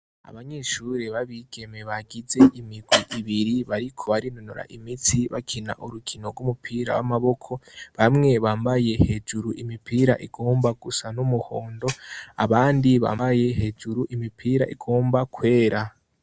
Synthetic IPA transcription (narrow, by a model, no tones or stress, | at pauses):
a̰βaɲe̞ːʃuɾeβaβiɡ̥e̞me̞βaɡize̞ʔimiɡwiʔiβiɾiβaɾikʰo̞βaɾinonuɾa̰ʔimit͡siβa̰kʰina̰ʔuɾuɡino̞ɡumupʰiːɾa̰wa̰maβo̞kʰo̞βamŋe̞βaːmbaje̞he̞ːd͡ʒuɾuʔimipiːɾa̰ʔiɡo̞ːmbaɡ̥usanumuho̞ːndo̞a̰βaːndiβa̰ːbajeɦe̞ːd͡ʒuɾuʔimipʰiːɾa̰ʔiɡo̞ːmbakwe̞ːɾa